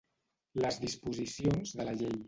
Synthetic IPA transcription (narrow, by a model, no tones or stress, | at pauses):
ləzðispuzisionzðələʎej